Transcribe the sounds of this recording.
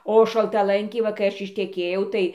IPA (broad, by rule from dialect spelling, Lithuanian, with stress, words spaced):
oː ʃɐlˠtɐˈlˠɐŋʲkʲɛɪ ˈʋɐ kɐɪ ˈɐʃ ɪʃʲtʲɛˈkʲeːjɛʊ ˈtɐɪ